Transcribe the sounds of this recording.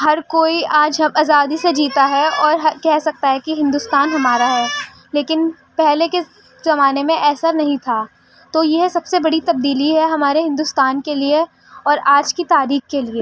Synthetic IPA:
ɦɐɾkoːiaːd͡ʒɦɐmaːzaːd̪ised͡ʒiːt̪aɦɛɔːɾɦɐkɛɦsɐk̚t̪aɦɛkiɦɪ̃nd̪ʊst̪aːnɦɐmaːɾaɦɛː | leːkɪn | pɛɦleke | zɐmaːnemẽʔɛːsənɐɦĩt̪ʰaː | t̪oːjeɦsɐbsebɐɽit̪ɐb̚d̪iːliɦɛɦɐmaːɾeɦɪ̃nd̪ʊst̪aːnkelie | ɔːɾaːd͡ʒkit̪aːɾiːxkːelie

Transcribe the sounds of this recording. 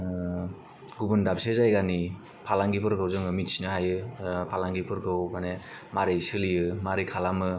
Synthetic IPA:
ɡubɯndap̚sezajɡani | pʰalaŋɡipʰɯɾɡɯwzɯŋɯmit̚sinɯhajɯpʰalaŋɡipʰɯɾɡʰɯwbane | maɾisɯlijɯmaɾikʰalamɯ

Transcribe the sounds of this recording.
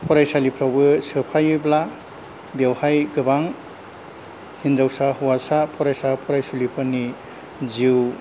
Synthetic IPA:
pʰɔɾajsalipʰɾawbɯsɯpʰajbla | bewhajɡɯbaŋ | hind͡ʒawsahuwasapʰɔɾajsapʰɔɾajsulipʰɯni | ziw

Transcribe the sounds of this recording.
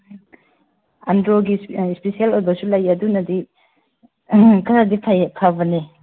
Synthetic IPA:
a̰ndɾoɡispesielojbɐsulɐjɐdunɐdi | kʰɐɾadipʰajpʰabɐni

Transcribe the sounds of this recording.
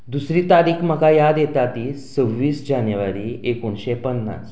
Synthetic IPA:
d̪usɾiːt̪aɾiːkʰməɡajad̪jet̪at̪iːt͡səʋːiːsd͡ʑanjəʋaɾiːekuɳɕepənːa̰t͡s

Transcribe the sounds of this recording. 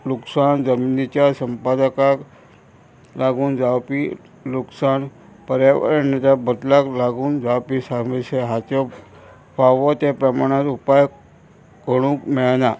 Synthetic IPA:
luksand͡zəminit͡ɕasəmpad̪əkak | laɡuːnd͡zawpi | luksan | pəɾjaʋə̰ɾənət̪abəd̪laklaɡuːnd͡zawpisaɾmeseɦat̪o | paʋot̪epɾəmaɽ̃ãt̪upaj | kəɽ̃ũkmeɭna

